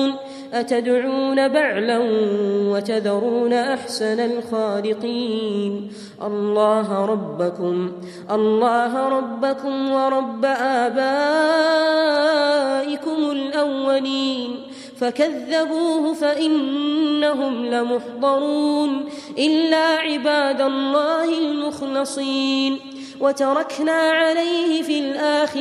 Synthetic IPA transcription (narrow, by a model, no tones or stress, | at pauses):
n | ʔat̪ad̪ʕuːnabaʕlanwat̪ad̪ɑɾˤuːnaʔaħsanalxaːlɪqiːn | ʔɑ̰lˤːɑːɦɾˤɑbːakʊm | ʔɑlˤːɑːɦɾˤɑbːakʊmwɑɾˤɑbːaʔaːbaː | ʔɪkʊmʊlʔawːaliːn | fakaðːabuːhʊfaʔɪnːaɦʊmlamʊħd̪ˤɑɾˤuːn | ʔɪlːaːʕɪbaːd̪alˤːɑːhɪlmʊxlɨsˤiːn | wat̪ɑɾˤɑknaːʕalajhɪfiːlʔaːɪ